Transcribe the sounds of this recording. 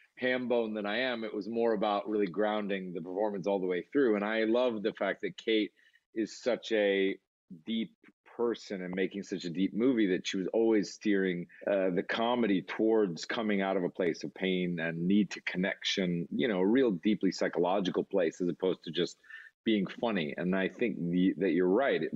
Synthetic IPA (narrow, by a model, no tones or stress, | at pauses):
hʰæ̃nbõʊ̃nðɨ̃ñaɪɨ̃mɨʔwʔʌzmɔɹɨbaʊʔɹɪlˠiɡɹãʊ̃ndɪ̃ŋðɨpə˞fɔɹmɨ̃n̩sɔlˠðəweɪθɹʉə̃ñaɪlʌvðɨfæk̚ðɨt̚kʰeɪɾ | ɪz̥sʌt͡ʃɨ | dipʰɜ˞sɨ̃nɨ̃nmeɪkɪ̃ŋsʌt͡ʃɨdip̚mʉviðɨtʃiwʌzɔlˠwiz̥stɪɹɪ̃ŋʌðɨkʰɑmɨɾitʰwɔɹdz̥kʰʌmɪ̃ŋaʊɾʌvəpʰl̥eɪsʌv̥pʰẽɪ̃nɨ̃nːid̚tʰɨkʰɨnɛ̰kʃɨ̃njɨñoʊəɹilˠdiplisaɪkəlɑd͡ʒɨkl̩ˠpʰl̥eɪsɨzəpʰoʊz̥tʰɨd͡ʒʌstb̥iɪ̃ŋfʌniɨ̰̃naɪθɪ̃ŋkðɨt͡ʃə˞ɹaɪt̚